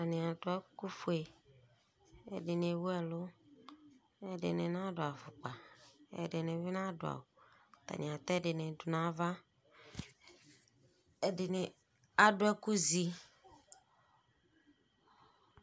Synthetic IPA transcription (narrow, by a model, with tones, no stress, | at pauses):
t̪a˨nĩ˨a˨dʊ˨ɛ˦ku˦fu˦e˨ | ɛ̰˨ɖɪ˨ne˨wu˦ɛ˨lʊ˦ | ɛ˨ɖɪ̰˨ne˨nã˦ɖʊ˨a˨fʊ˨k͡pa˨ɛ̰˨ɖɪ˨nẽ˨vi˦nã˦dʊ̰˨a̰˨wo˨t̪a̰˨nĩ˨a˨t̪ɛ˦ɖɪ˨nẽ˨dʊ˨nã˦va˦ | ɛ˨dɪ˨ne˨ | a˨ɖʊ˦ɛ˦ku˦zi˦